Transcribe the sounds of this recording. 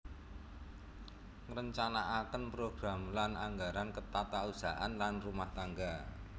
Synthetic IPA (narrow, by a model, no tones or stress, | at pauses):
ŋɾəɲt͡ʃanaʔakənpɾoɡ̥ɾamlanaŋɡaɾankət̪at̪ausa̰ʔanlanrumaht̪aŋɡa